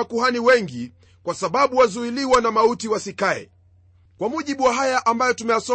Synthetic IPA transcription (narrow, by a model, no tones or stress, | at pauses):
akuɦaniwɛŋɡi | kwasaɓaɓuwazuiliwanamautiwasikaɛ̰ | kwamuʄiɓuwaɦajaʔambajɔtumɛjasɔ